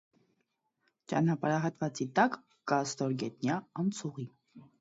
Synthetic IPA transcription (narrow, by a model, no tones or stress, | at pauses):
t͡ʃɑ̰nɑpɑɾɑɦɑt̪vɑt͡sit̪ɑkː | ɑst̪ɔɾɡɛt̪njɑɑnt͡sʰuʁi